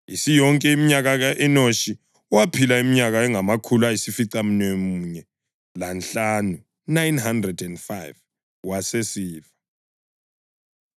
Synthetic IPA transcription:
isijɔŋkʼɛimiɲaɣaɣaʔɛnoʃi | uwapʰilaimiɲaɣaɛŋamakʰuluajisifiǀam̩nemuɲɛ | lanɬanu | najnhandrɛdɛndfajv | wasesiːva

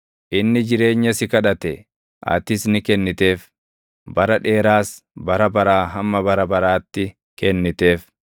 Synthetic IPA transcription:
ʔɪnːɪd͡ʒɪɾe̞ːɲːɐsɪkɐᶑɐt̪ɛ | ʔɐ̰t̪ɪsnɪkɛnːɪt̪e̞ːf | bɐɾɐᶑe̞ːɾaːs | bɐɾɐbɐɾaːɦɐmːɐbɐɾɐbɐɾaːt̪ːɪ | kɛnːɪt̪e̞ːf

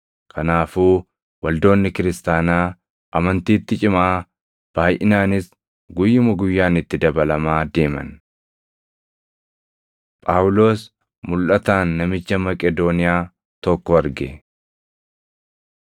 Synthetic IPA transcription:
kʰɐnaːfuː | wɐld̪o̞ːnːɪkɪɾɪst̪aːnaː | ʔɐmɐnt̪iːt̪ːɪt͡ʃʼɪmaː | b̥aːjʔɪnaːnɪs | ɡʊjːɪmʊɡʊjːaːnɪt̪ːɪd̪ɐbɐlɐmaːd̪e̞ːmɐ̰n | pʼaːwʊlo̞ːs | mʊlʔɐt̪aːnːɐmɪt͡ʃːɐmɐkʼɛd̪o̞ːnɪjaː | t̪ɔkːɔɐɾɡɛ

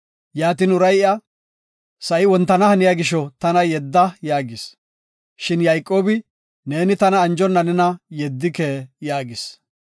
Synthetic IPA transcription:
jaːt̪ɪnʊɾɐjɪɐ | sɐʔɪwɔnt̪ːɐnɐhɐnɪjaɡɪʃɔt̪ɐnɐjɛd̪ːɐjaːɡɪs | ʃɪnjɐjkʼːo̞ːbɪ | ne̞ːnɪt̪ɐnɐːnd͡ʒɔnːɐnɛnɐjɛd̪ːɪkeːjaːɡɪs

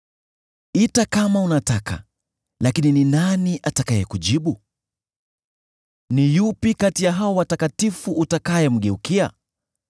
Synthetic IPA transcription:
itakamaunataka̰ | lakinininaniʔatakajɛkuʄiɓu | nijupikatijaɦaɔwatakatifuːtakajɛm̩ɠɛukia̰

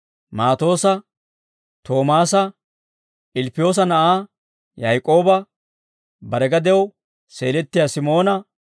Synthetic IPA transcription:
maːt̪o̞ːsɐ | t̪o̞ːmaːsɐ | ʔɪlpːɪjo̞ːs̬ɐnɐʔaː | jɐjkʼo̞ːbɐ | bɐɾɛɡɐd̪ɛw | seːlɛt̪ːɪjasɪmo̞ːnɐ

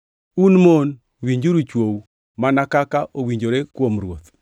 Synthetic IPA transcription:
unmon | wiɲd͡ʒuɾut͡ʃwow | manakakaʔowiɲd͡ʒoɾekwomɾwot̪

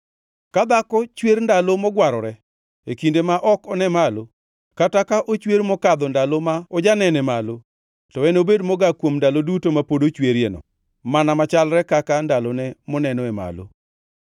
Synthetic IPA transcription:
kad̪akɔt͡ʃweɾndalomɔɡwaɾɔɾɛ | ekindemaʔɔkɔnɛmalo | katakaʔot͡ʃweɾmɔkad̪ɔndalomaɔd͡ʒanɛnɛmalo | tɔwɛnobedmɔɡakwomndalodutomapodot͡ʃweɾjenɔ̰ | manamat͡ʃalɾɛkakandalonɛmɔnɛnɔɛma̰lo̰

